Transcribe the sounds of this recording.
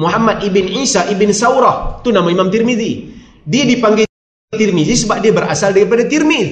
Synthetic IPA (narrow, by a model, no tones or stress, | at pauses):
muɦamːat̪̚ibɪnʕisaʔibɪnsawɾɔht̪unamaimamt̪irmiði | diadipaŋɡɛ | t̪irmiðisəbap̚diabəɾa̰saldaɾipadat̪irmi